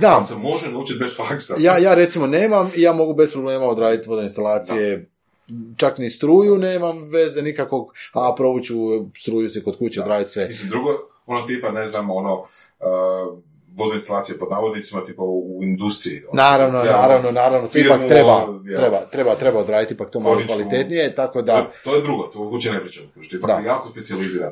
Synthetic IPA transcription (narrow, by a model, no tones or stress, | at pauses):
znaːmsemo̞ʒenaut͡ʃit̪̚besfaksajaːjaːɾe̞t̪simo̞neːmamijaːmo̞ɡube̞spɾoble̞ːmaod̪ɾaːd̪it̪ʋo̞d̪oinst̪alˠaːt̪sije̞ | t͡ʃaknist̪ɾuːjuneːmamʋe̞zenikako̞ɡapɾo̞but͡ɕust̪ɾuːjusekod̪̚kuːt͡ɕeod̪ɾaːd̪it̪sʋemislimd̪ɾuɡo | onot̪ipaneznamono | ə | ʋod̪iinst̪alaːt̪sijepod̪naːʋod̪nitsimat̪ipauind̪ust̪ɾiḭonaːɾaʋnonaːɾaʋnonaːɾaʋnot̪oipakt̪ɾebaɾebat̪ɾe̞bat̪ɾe̞baod̪ɾaːjit̪ipak̚t̪o̞malokʋaalit̪et̪nije̞t̪ako̞d̪at̪ojed̪ɾuɡot̪ooɡut͡ʃenepɾit͡ʃamoklut͡ʃi̥t̪ipad̪ajaːkospetsializiːɾan